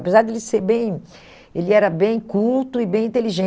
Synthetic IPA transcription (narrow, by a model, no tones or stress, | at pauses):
pezaɾd̪elɪseɾbẽj̃ | elɪɛɾɐbẽj̃kult̪ʊɪbẽj̃ĩnt̪eliʒẽ